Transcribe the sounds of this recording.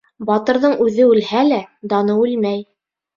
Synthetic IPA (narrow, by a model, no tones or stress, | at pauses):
bɑt̪ɤ̆ɾðɤɴʉðɘʉlhælæd̪ɑnɤʉlmæj